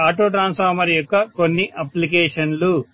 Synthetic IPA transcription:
aːʈoːʈɾaːnspʰɐːɾmɐɾjɔkːɐko̞nːiʔɐplik̬eːʂɐnlu

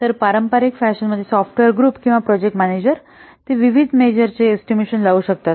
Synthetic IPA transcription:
t̪əɾpaɾəmpaɾikfæʃənməd̪ʱːjesɔfʈʋeɾɡɾuːpkĩw̃ʋapɾɔd͡ʑek̚ʈmæned͡ʑəɾ | t̪eʋiʋid̪ʱmed͡ʑəɾt͡seːsʈimeɕənlaʋuɕək̚t̪at̪

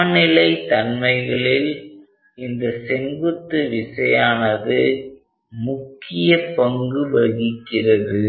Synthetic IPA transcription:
nɪlɐɪt̪ɐnmɐɪɣɐɭɪl | ɪnd̪ɐsɛnɡɯt̪ːɯʋɪsɐjaːnɐðɯ | mʊkːɪjɐpɐŋɡɯʋɐɣɪkːɪrɐðɯ

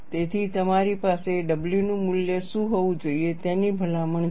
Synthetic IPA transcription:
t̪et̪ʰit̪əmaɾipaseɖəbljunũmʊljəʃũɦoʋũd͡ʒoiet̪enibʱəlaməɳ

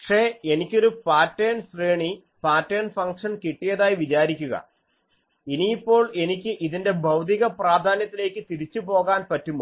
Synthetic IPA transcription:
ɐkʂe̞ːe̞nikʲːo̞ɾupaːtːeːnsreːɳi | paːtːeːnfɐŋkʂɐnkiʈːijɐðaːjiʋit͡ɕaːɾikʲːuɣɐ̰ | iniːpːo̞ːɭe̞nikʲːɨʔiðinde̞bʱɐwt̪iɣɐpraːd̪ʱaːnjɐt̪ːile̞ːkːɨt̪iɾit͡ɕːupo̞ːɣaːnpɐtːumːo

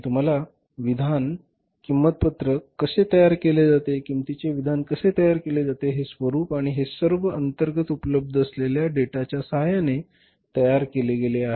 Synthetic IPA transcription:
t̪um̤ala | ʋid̪ʱan | kimːət̪̚pət̪ɾəkəset̪əjaɾkeled͡zat̪ekimt̪it͡ɕeʋid̪ʱankəset̪əjaɾkeled͡zat̪eɦesʋəɾuːpaɽ̃iɦesəɾʋəʔənt̪əɾɡət̪upələb̚d̪ʱəsleljaɖeʈat͡ɕjasəɦajane | t̪əjaɾkeleɡeleaɦe

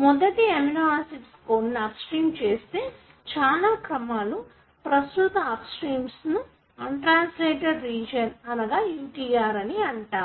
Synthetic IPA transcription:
mɔd̪ɐʈiɐminaːsiʈskonːaːpsʈɾiːmt͡ʃe̞ːst̪e̞ː | t͡ʃaːlaːkɾɐmaːlu | pɾɐst̪ut̪ɐaːpsʈɾiːmsnu | ɐɳʈɾaːnsleːʈɐɾːiːd͡ʒɐnɐnɐɡaːjuːʈiːaːɾɐniɐɳʈaːu

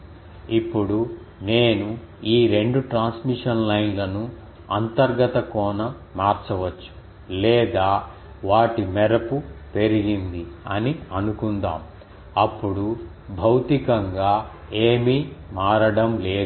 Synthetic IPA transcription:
ipːuɽu | ne̞ːnu | iːɾe̞ɳɖuʈɾaːnsmiʂɐnlɐjnlɐnu | ɐnt̪ɐɾɡɐt̪ɐkɔːnɐ | maːɾt͡ʃɐʋɐt͡ʃːu̥ | lɛːd̪aː | ʋaːʈimɛɾɐpupe̞ɾiɡind̪iɐniɐnukund̪a̰ːm | ɐpːuɽu | bʱɐwt̪ikɐŋɡaː | eːmimaːɾɐɽɐmleːd̪

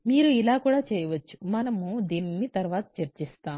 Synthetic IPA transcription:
miːɾuilaːkuːɽaːt͡ʃɛːjɐʋɐt͡ʃːu̥mɐnɐmud̪iːnːit̪ɐɾʋaːt̪ɐ̥t͡ʃɐɾt͡ʃist̪aːm

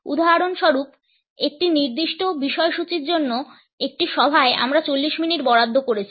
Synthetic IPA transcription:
ṵd̪ʱaɦaɾonʃɔɾup | ek̚ʈiniɾd̪iʃʈobiʃɔeʃut͡ɕiɾd͡ʑonːo | ek̚ʈiʃɔbʱaeʔa̰mɾat͡ɕolːiʃminiʈbɔɽad̪ʱːokoɾet͡ɕʰi

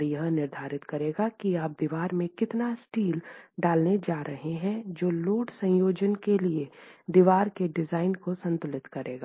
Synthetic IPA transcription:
jɐɦnɪɾd̪ʱaːɾɪt̪kɐɾeːɡakiaːp̚d̪iʋaːɾmẽkɪt̪nasʈiːlɖaːlned͡ʒaːɾʔɐɦeɦɛ̃d͡ʒoːloːɖsɐ̃joːd͡ʒənkelied̪iʋaːɾkeɖɪzaːɪnkosɐ̃nt̪ʊlɪt̪kɐɾeːɡa

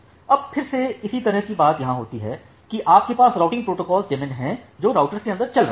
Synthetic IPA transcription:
ɐb̚pʰɪɾseɪsit̪ɐɾəɦkibaːt̪jɐɦãɦoːt̪iɦɛ̰ː | kiʔaːp̚kepaːsɾaːʊʈɪ̃ŋɡpɾoːʈokɔːlzd͡ʒemɪ̃nɦɛ̃d͡ʒoːɾaːʊʈəɾskeɐ̃nd̪əɾt͡ʃɐlɾ

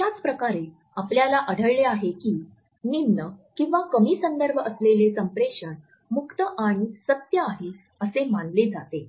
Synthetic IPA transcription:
t̪jat͡spɾəkaɾe | apljalaʔəɽ̤ʱəɭleaɦekiː | ninːəkĩw̃ʋakəmiːsənd̪əɾbʱəslelesəmpɾeɕən | mukt̪əʔaɽ̃isət̪jəaɦe | əsemanled͡zat̪e

